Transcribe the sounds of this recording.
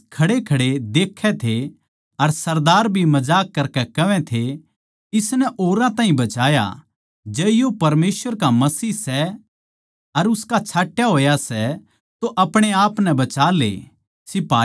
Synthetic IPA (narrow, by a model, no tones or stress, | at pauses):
kʰɐɽekʰɐɽed̪eːkʰːɛt̪ʰe | ɐɾsɐɾd̪aːɾbʱimɐd͡ʒaːkːɐɾkɛkɐʋɛ̃t̪ʰe | ɪsnɛʔoːɾãt̪ãːɦĩbɐt͡ʃaːja̰ | d͡ʒɛːjopɐɾmeːsʋəɾkamɐsiːsɛ | ɐɾʊskat͡ʃʰaːʈjaɦoːjasɛ | t̪oʔɐpɽ̃eaːpnɛbɐt͡ʃaːlḛ | sɪpaː